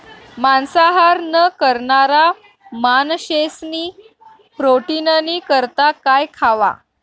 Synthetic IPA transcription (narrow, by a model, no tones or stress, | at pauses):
mansaɦaɾnəkəɾɳaɾa | manɕesniː | pɾoʈinənikəɾt̪akajkʰaʋa̰